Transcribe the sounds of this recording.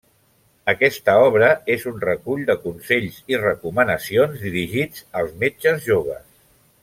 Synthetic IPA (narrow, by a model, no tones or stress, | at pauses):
əkɛst̪əɔβ̞ɾəezunrəkuʎd̪əkunseʎzirəkumənəsionzðiɾiʒid͡zəlˠzmed͡ʒəzʒoβ̞ə̰s